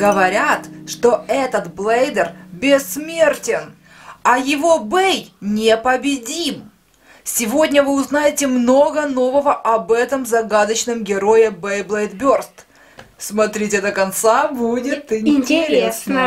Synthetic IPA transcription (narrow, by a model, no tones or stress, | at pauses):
ɡəvɐɾʲat̪ʂt̪o̞ɛt̪ət̪blˠejd̪ərbʲɪsːmʲe̞rtʲɪn | ɐjɪvo̞bɛjnʲepəbʲɪdʲim | sʲɪvo̞dʲnʲəvɨʊznajɪtʲɪmno̞ɡəno̞vəvəʔɐbɛt̪əmzɐɡad̪ət͡ɕnɨmɡʲɪɾo̞jɪbɛjblˠejt̪bʲo̞rst̪ | smɐt̪ɾʲitʲɪd̪əkɐnt̪sabudʲɪt̪ɪɪntʲɪɾʲesə